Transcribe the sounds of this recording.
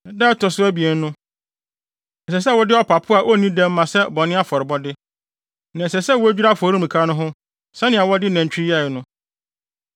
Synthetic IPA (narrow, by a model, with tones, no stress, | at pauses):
dɛː˦tɔ˨sʊ˦æ˦bi˨e˨n̩˦nʊ̃˦ | ɛ˨s̬ɛ˨s̬ɛ˦˨wɔ˦dɪ˦ɔ˦pʰa˨pʰʊ˦a˨ʔo˦nĩ˦dɛ̃˦m̩ː˦ã˨sɛ˦bɔ˨nɪ̃˦a˦fɔ˨ɾɪ˨bɔ˦dɪ˦ | nã˨ɛ˨sɛ˨sɛ˦˨wɔ˦æ˦d͡ʑᶣi˦ɾa˦˨fɔ˨ɾĩ˦mĩ˨kʰa˦nʊ̃˦ɦʊ̃˦ | sɛ̃˦nɪ̃˨a˨wɔ˦dɪ˦nã˨ɲ˨t͡ɕᶣi˦i˦a˦˨ɪ˨nʊ̃˦